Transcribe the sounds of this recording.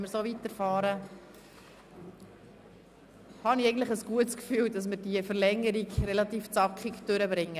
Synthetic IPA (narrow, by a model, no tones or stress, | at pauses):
məɾsoːvitəɾfɑːɾə | hɑniɛɪɡəntləɪχəsɡ̥uətskfyːldɑs̬mɪɾdiəfəɾlɛŋːəɾiɡɾɛlɑtiːft͡sɑkχikd̥øɾəbɾɪŋːə